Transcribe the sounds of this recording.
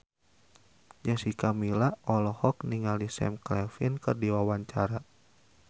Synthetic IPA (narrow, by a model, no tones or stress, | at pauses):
d͡ʒasikamilaɔlɔhɔkniŋalisɛ̰mklɛfinkɨrdiwawaɲt͡ʃaɾa